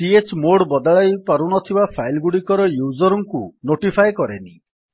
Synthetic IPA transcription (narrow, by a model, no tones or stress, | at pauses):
ʈiet͡ʃmoɽbɔd̪aɭajpaɾunɔt̪ʰibapʰajlɡuɽikɔɾɔjud͡ʒɔɾɔŋkunoʈipʰajkɔɾḛni